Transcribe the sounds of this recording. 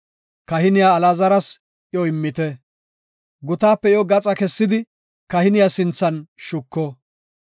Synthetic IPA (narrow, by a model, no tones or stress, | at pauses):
kɐhɪnɪjaːlaːzɐɾɐs | jɔɪmːɪt̪ɛ | ɡʊt̪aːpːɛjɔɡɐt͡sʼɐkɛsːɪd̪ɪ | kɐhɪnɪjasɪnt͡sːɐnʃʊkːɔ